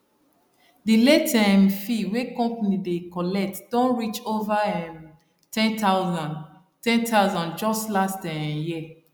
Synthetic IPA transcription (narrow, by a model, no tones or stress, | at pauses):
diletamfiwekɔ̃mpanidekɔlɛk̚td̥ɔ̃nɹit͡ʃovaɛm | tɛ̃ntazãn | tɛ̃ntaʊzɔ̃nd͡ʒɔstlastɛji